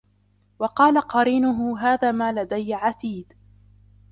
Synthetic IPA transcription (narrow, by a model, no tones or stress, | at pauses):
wɑqɑːlaqɑɾiːnʊɦʊɦaːðaːmaːlad̪ajʕat̪iːd̪